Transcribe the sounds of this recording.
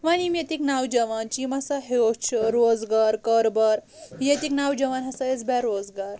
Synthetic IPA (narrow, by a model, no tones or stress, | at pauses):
ʋanimjet̪iknawd͡ʑəʋant͡ɕimasaɦeot͡ʃʰəɾod͡zɡaɾkəɾbəɾ | jet̪iknawd͡ʑɐʋanɦɐsajet͡sbɛɾod͡zɡaɾ